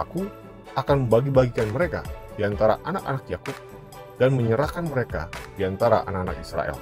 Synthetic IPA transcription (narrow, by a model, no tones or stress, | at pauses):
aku | akanməmbaɡibaɡikanməɾeka̰d̥iant̪aɾa̰ʔanaka̰nakjakup̚ | danməɲəɾakanməɾeka̰diant̪aɾa̰ʔa̰nakana̰kisɾa̰ʔɛ̰l